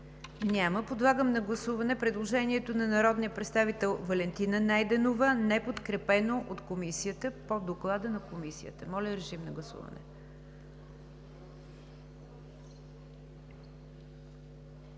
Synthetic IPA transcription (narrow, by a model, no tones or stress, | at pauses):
nʲaməpod̪lˠaɡəmnɐɡlˠɐsuvɐnɛpɾɛd̪lˠoʒɛniɛt̪onɐnɐɾɔd̪nijəpɾɛt̪st̪avit̪ɛlˠvɐlɛnt̪inənajd̪ɛnovənɛpot̪kɾɛpɛnoʔot̪komisijət̪əpod̪oklˠad̪ənɐkomisiə̰t̪əmɔlʲəɾɛʒimnɐɡlˠɐsṵvə̰nɛ̰